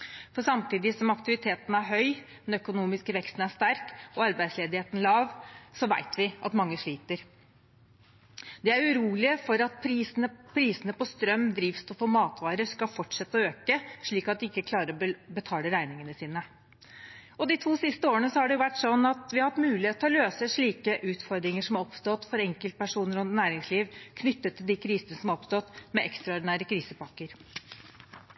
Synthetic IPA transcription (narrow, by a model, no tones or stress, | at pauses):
fɔɾsɑmt̪iːd̪ɪsɔmɑkt̪ɪʋɪt̪ʰeːt̪n̩æɾɦœʏmɛnœkʊnuːmɪskəʋɛkst̪n̩æʂt̪æɾkɔɑɾbæɪd̪sleːd̪ɪheːt̪n̩lɑːʋsɔʋæ̰ɪt̪ʰʋɪʔɑ̰t̪mɑŋːəʂɭiːt̪əɾ | d̪ɛæɾʉɾuːlɪəfɔɾɑt̪pʰɾisnəpʰɾiːsənəpɔst̪ɾœmːd̪ɾiːʋst̪ʰɔfoːmɑːt̪ʋɑːɾəʂkɑfɔʈːʂɛt̪ːəɔøːkəʂɭiːkɑt̪̚d̪ɪɪkːəkʰlɑːɾəɾɔbət̪ʰɑːləɾæɪnɪŋənəsiːnə | ɔd̪ɪt̪ʰuːsɪst̪əoːɾənəsɔhɑɖɛjʊʋæʈːsɔnːɑt̪ʋɪhɑhɑt̪mʉːlɪeːt̪ːɔɑløːsəʂɭiːkəʔʉːt̪fɔɾd̪ɾɪŋəʂɔmɑɾɔpst̪ɔt̪fɔɾɛŋkəlt̪̚pʰæʂuːnəɾʉnt̪næːɾɪŋsliːʋkʰnʏt̪ːət̪ʰːɪld̪iːkʰɾiːsənəsɔmɔpst̪ɔt̪mɛʔɛkst̪ɾɑɔɾɖɪnæːɾəkʰɾiːsəpɑkːəɾ